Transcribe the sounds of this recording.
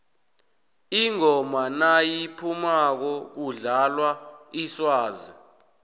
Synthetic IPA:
iŋɔmanajipʰumak̬ɔk̬uɮalwaiswaːzi

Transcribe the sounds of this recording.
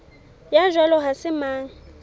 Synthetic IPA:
jaʒwalɔɦasɪmaːŋ̩

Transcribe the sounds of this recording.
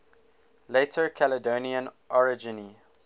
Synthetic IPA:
letʰəkʰælədoːniə̃nʔɔɹɪd͡ʒɪni

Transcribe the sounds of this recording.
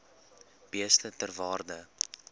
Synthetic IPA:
b̥iəslətərvɑːrdə

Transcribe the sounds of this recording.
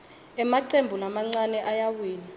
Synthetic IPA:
ɛmaǀembʱulamaŋ͡ǀanɛʔajawiːni

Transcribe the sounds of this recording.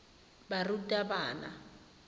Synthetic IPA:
barutʼabaːna̰

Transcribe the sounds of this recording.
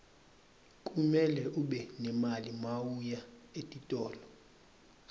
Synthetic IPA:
kʼumɛlɛʔuɓɛnɛmalimawujaetʼitʼɔːlɔ

